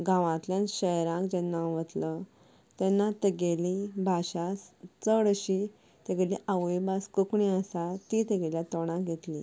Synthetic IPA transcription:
ɡãʋãt̪ljãnɕəjɾãkd͡ʑɛnːaʋət̪lə | t̪ɛnːat̪əɡelibʱaɕast͡səɽəɕi | t̪əɡeliʔaʋibaskəkɳiəsat̪it̪əɡeljat̪ɔɽ̃ãɡʱet̪lḭ

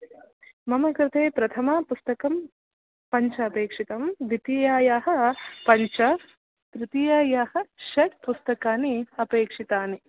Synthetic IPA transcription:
mɐmɐkɾɪt̪eːpɾɐt̪ʰɐmɐpust̪ɐkɐm | pɐɲt͡ʃɐːpeːkʂit̪ɐmʋit̪ijaːjaːɦɐ̆pɐɲt͡ʃɐ | t̪ɾɪt̪ijaːjaːhɐ̆ʃɐʈ̚pust̪ɐkaːniɐpeːkʂit̪aːni

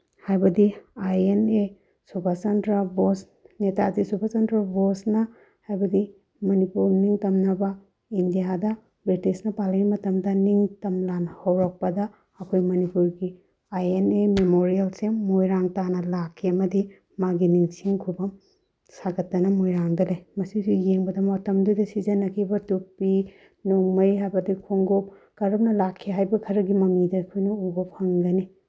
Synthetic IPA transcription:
hajbɐdiajene | subʱasɐndɾɐbos | netazisubʱasɐntɾɐbosnɐ | hajbɐdi | mɐnipuɾniŋtɐmnɐbɐ | indijadɐ | bɾitisnɐpalɐɡimɐtɐmdɐniŋtɐmlanhowɾok̚pɐdɐː | kʰojmɐnipuɾɡi | ajenememoɾielsemojɾaŋtanɐlakʰːiɐmɐdi | maɡiniŋsiŋkʰubɐm | saɡɐtːɐnɐmojɾaŋdɐlejmɐsidujeŋbɐdɐmatɐmdudɐsizɐnɐkʰibɐtupi | noŋmɐjɦajbɐdikʰoŋɡop̚kɐɾɐp̚nɐlakʰːiɦajbɐkʰɐɾɐɡimɐmidɐːkʰojnɐuɡop̚hɐŋɡɐni

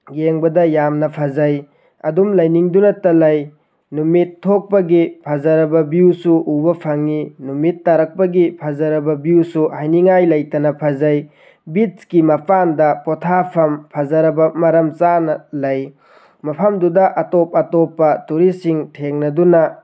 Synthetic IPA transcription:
ɡeŋbɐdɐjamnɐpʰɐzɐj | ɐdumlɐjniŋdunɐtɐlɐj | numitʰːok̚pɐɡipʰɐzɐɾɐbɐbjusuʔubɐpʰaŋinumitːɐɾɐk̚pɐɡipʰɐzɐɾɐbɐbijusuhajniŋajlɐjtɐnɐpʰɐzɐj | biskimɐpʰandɐpɔtʰapʰɐmpʰɐzɐɾɐbɐmɐɾɐmt͡ʃanɐlɐj | mɐpʰɐmdudɐʔɐtop̚ɐtopːɐtuɾisiŋtʰeŋnɐdunɐ

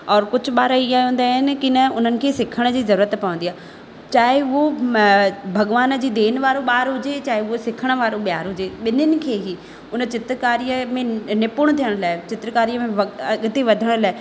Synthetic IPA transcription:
ɔːɾkʊd͡ʑʱʊ̆ɓaːɾaiaːiɦũːnd̪aːɦɪnɪ̆kɪnɐʊn̤ənɪ̆kʰeːsɪkʰəɽ̃ʊd͡ʑiːzɐɾuːɾət̪pɐʋə̃nd̪ijaː | t͡ɕaːɦɪʊɦo | bʱɐɠʋaːnd͡ʑiːd̪eːnʋaːɾoɓaːɾɦʊd͡ʑet͡ɕaːɦeʊosɪkʰəɽ̃ʋaːɾoɓijaːɾɦʊd͡ʑeɓɪnənɪ̆kʰeːɦi | ʊnə̆t͡ɕɪt̪ɾkaːɾijəmẽnɪpʊɽ̃ʊt̪ʰijəɽ̃laːɪt͡ɕɪt̪ɾkaːɾijəmẽʋɐɐɠt̪eʋɐd̪ʱəɽ̃ʊlaːɪ

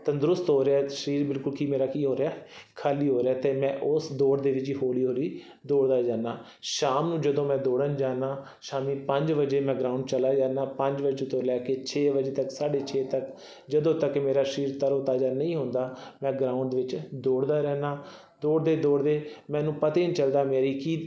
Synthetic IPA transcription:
t̪ãːd̪ʊɾʊst̪ɦoːɾeaːʃəɾiːɾbɪlkʊlkiːmeːɾaːkiːɦoːɾeaːkʰaːliːɦoːɾeaːt̪eːmɛ̃ːʔʊsd̪oːɽd̪eːʋɪt͡ʃiɦoːliːɦoːɾiː | d̪oːɽd̪aːd͡ʒaːnaː | ʃaːmnũːd͡ʒəd̪õːmɛ̃ːd̪oːɽənd͡ʒaːnaː | ʃaːmiːpəɲd͡ʒʋəd͡ʒeːmɛ̃ːɡɾaːʊ̃ɳɖt͡ʃəlaːd͡ʒaːnaːpəɲd͡ʒbəd͡ʒet̪õːlɛːkeːt͡ʃʰeːʋəd͡ʒeːt̪əksaːɖeːt͡ʃʰeːt̪ək | d͡ʒəd̪õːt̪əkmeːɾaːʃɾiːɾt̪əɾõːt̪aːd͡ʒaːnəĩːɦõnd̪aːmɛ̃ːɡɾaːʊ̃ɳɖd̪ʋɪt͡ʃd̪oːɽd̪aːɾɛːnaː | d̪oːɽd̪eːd̪oːɽd̪eːmɛ̃ːnũːpət̪eːnt͡ʃəld̪aːmeːɾiːkiː

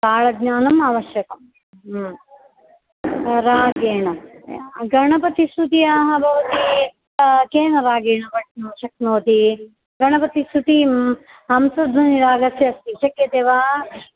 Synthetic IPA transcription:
t̪aːɭɐɡɲaːnɐmaːʋɐʃjɐkɐm | ɾaːɡeːɳɐ | ɡɐɳɐpɐt̪isut̪iaːɦɐbʱɐʋɐt̪i | keːnɐɾaːɡeːɳɐʋɐʈnoːʃɐk̚noːt̪i | ɡɐɳɐpɐt̪isut̪i | ɐmsɐd̪ʋɐniɾaːɡɐsjɐɐst̪iʃɐkjɐt̪eːʋaː

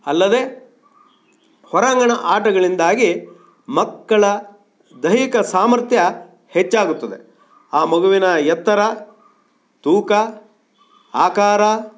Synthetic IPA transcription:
ɐlːɐd̪e̞ː | hɔɾaŋɡɐɳɐʔaːʈɐɡɐɭind̪aːɡi | mɐkːɐɭɐ | d̪ɐjikɐsaːmɐɾt̪jɐ | het͡ʃːaːɡut̪ːɐd̪ḛ | aːmɐɡuʋinɐjɐt̪ːɐɾɐ | t̪uːkɐ | aːkaːɾɐ

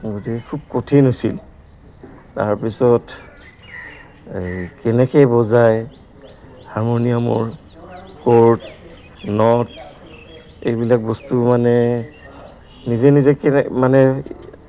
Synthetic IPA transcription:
ɡotikɛkʰub̚kotʰinɦosḭl | ta̰ɹpisɔt | kɛnɛkɛbɔzaj | haɹmonijamʊ̰ɹ | koɹt | nɔt | ḛjbilak̚bɔstumanɛ | nizɛnizɛkɛmanɛ

